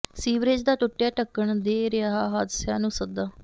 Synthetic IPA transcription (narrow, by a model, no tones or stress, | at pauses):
siːʋɾeːd͡ʒd̪aːʈʊʈːjaːʈəkːəɳd̪eːɾɪjaːɦaːɦaːd̪ɪsja̰ːnũːsəd̪aː